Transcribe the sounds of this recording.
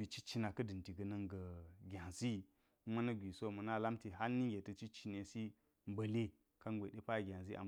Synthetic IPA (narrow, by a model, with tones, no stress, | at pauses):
i˨t͡ʃi˦t͡ʃi˦na˨kɐ˦dɨ˨ti˨ɡə˨nɐ˦ŋɡə˨ɡʲa˨zi˦ | ma˦nɐ˦ɡʷi˨so˦˨mə˨na˦la˦mti˨ɦa˦lni˦ŋɡʲe˨tə˨t͡ʃi˦t͡ʃi˦ne˨si˦ | m˦bə˨le˦ | ka˦ŋɡʷe˨ɗe˦pa˦˨ɡʲa˨nzi˦ʔa̰˨m